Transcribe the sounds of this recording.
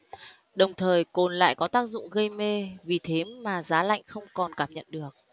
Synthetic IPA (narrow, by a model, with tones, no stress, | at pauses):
ɗə˨˩wŋ͡mt̪ʰəː˨˩jko˨˩nla̰ː˧˨jkɔ˨˦t̪aː˦˥k̚zʊ̰˧˨ŋ͡mɣə˧jme˧vi˨˩t̪ʰe˨˦maː˨˩zaː˨˦la̰˧˨jŋ̟xə˧wŋ͡mkɔ˨˩nkaː˧˩mɲə̰˧˨nɗɨ˨˩ək̚